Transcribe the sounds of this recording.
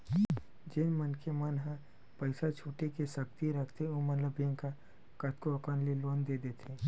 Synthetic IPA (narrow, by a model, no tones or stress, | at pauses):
d͡ʒɪnmənkʰemɐnɦə̃ | pəɪsat͡ʃʰuːʈekesək̚t̪iɾɐkʰt̪ʰeomɐnləbẽŋka | kɐt̪koɐkənliloːnd̪eːd̪eːt̪ʰeː